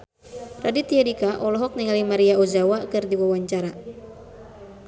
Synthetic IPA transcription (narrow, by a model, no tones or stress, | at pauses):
radit̪iɛdikaʔɔlɔɦɔk̚niŋalimaɾiaozawakɨrdiwawaɲt͡ʃaɾa